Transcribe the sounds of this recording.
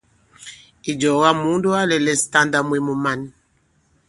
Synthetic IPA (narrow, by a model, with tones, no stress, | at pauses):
i˨d͡ʒɔ˨ɣa˦mu˦ndu˦a˦lɛ˨lɛ˨sta˦nda˨mwi˨mu˨ma˨n˨